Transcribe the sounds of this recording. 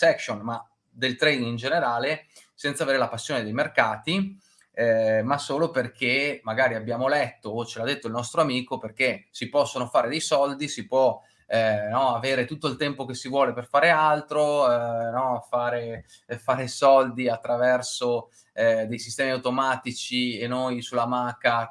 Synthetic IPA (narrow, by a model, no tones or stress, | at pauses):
sɛkʃonma | d̪elt̪ɾejnind͡ʒeneɾaːle | sɛnt̪saveːɾelapasːjoːned̪ejmerkaːt̪i | ɛmasoːloperkʰemːaɡaːɾiabːjaːmolɛt̪ːoːt͡ʃelad̪ːet̪ːoilnɔst̪ɾoamiːkoperk̟esipɔsːonofaːɾed̪ejsɔld̪isipwɔ | nɔaveːɾet̪ut̪ːoilt̪ɛmpok̟esivwɔːleperfaːɾealt̪ɾonɔfaːɾe | faːɾesɔld̪iat̪ːɾavɛrso | ɛd̪ejsist̪ɛːmiawt̪omaːt̪it͡ʃienojsulamakːa